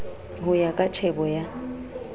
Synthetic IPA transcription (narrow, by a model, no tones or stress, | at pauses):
ɦʊjakʼat͡ʃʰɛbɔja